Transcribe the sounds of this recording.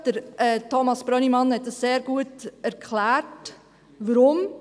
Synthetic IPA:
d̥əɾɛtʰɔmɑsb̥ɾœnimɑnhɛt̚d̥əsːeːɾɡuətæɾkχlæːɾt | ʋəɾʊm

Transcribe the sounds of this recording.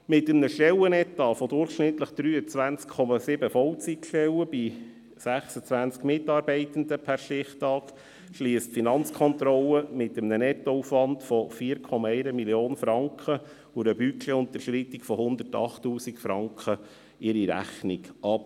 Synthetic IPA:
mɪtəmnəʃtɛlənɛt̪ːɑfɔdʊrχʃnɪtləχd̥ɾyːət͡sʋænt͡skʰːɔmɑsɪbəfɔwt͡sikʃtɛwəb̥i | sæχsət͡sʋænt͡skmɪtɑːɾbɛɪtənd̪əpʰæɾʃtɪχtɑːk | ʃliːəstfinɑnt͡skʰɔnt̪ɾɔlːəmɪtəmnənɛtːɔufʋɑntfɔfiːəɾkʰɔmɑɛɪɾəmiljoːnfɾɑŋkχə | ʊɾəbykʰleʊnt̪əɾʃɾit̪ikfɔhʊnd̪ərtɑ̰χtːuːsikfɾɑŋkχə | ɪɾiɾæ̰χniɡɑp

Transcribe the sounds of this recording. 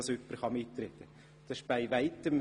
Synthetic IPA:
søpːəɾχɑmitːɾɛt̪ːə | d̥ɑsɪʃb̥aɪʋaɪtəm

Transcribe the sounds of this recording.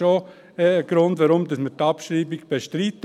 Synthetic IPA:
o | ɛɡ̥ɾʊndʋaɾʊmdɑsməɾtɑpʃɾiːbiɡb̥eʃtɾit

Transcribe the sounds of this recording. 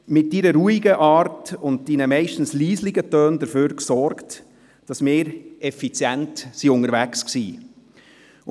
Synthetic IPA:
mɪt̚diːɾəɾuːiɡəʔɑːɾtʊnt̚d̥iːnəmɛɪʃtn̩sliːsliɡətøːndəɾføːɾksɔɾkt | d̥ɑsmɪːɾɛfit͡sjæntsiʊŋəɾʋæksksiː

